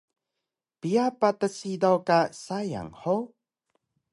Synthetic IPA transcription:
piapatəsidawkasaja̰ŋħo

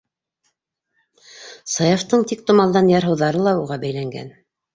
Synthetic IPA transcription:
sɑjɑft̪ɤɴt̪ik̚t̪ŏmɑlˠd̪ɑnjɑɾɦɤ̆wðɑɾɤlˠɑuʁɑbæjlæŋɡæ̰n

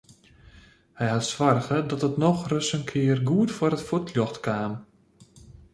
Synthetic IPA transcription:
hɛjhatsʋarɣədɔtətnɔxrøsənkʰɪərɡuətfwəɾətfutʰljɔxtkaːm

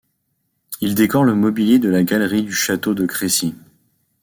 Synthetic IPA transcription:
ild̪ekɔʁləmɔbiljed̪əlaɡalʁid̪yʃat̪od̪əkχesi

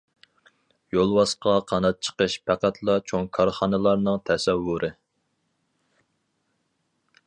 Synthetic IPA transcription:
jolˠwɑsqɑqʰɑnɑt̪̚t͡ʃʰə̥qəʃpʰæqæt̪ʰlˠɑt͡ʃʰoŋkʰɑɾχɑnɨlˠɑɾnɨŋt̪ʰɛsɛwːuɾʔɨ

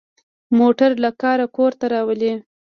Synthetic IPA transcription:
moʈaɾlakɑɾakoɾt̪aɾɑwəle

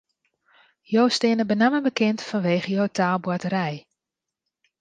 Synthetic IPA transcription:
jowstɪənəbənaməbəkɪntfɔnʋeːχəjowtʰaːlˠbwatəɾɛj

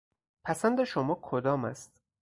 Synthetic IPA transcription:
pʰæsænd̪e̞ʃomɒːkʰod̪ɒːmæ̰st̪

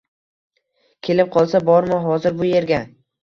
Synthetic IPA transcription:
kʲʰe̞lɪp̚qʰɒlˠsabɒɾmɪɦɒzɪɾbʊje̞ɾɡʲa

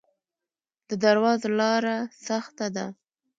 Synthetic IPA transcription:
d̪̥əd̪aɾwɑzlɑɾasaxt̪ad̪a

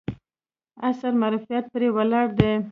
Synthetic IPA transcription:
asaɾmaɾufijat̪̚pɾewalɑɽd̪e

